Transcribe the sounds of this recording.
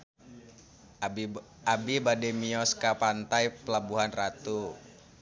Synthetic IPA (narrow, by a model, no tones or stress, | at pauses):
abibadɛmiɔskapant̪ajpəlabuɦanrat̪u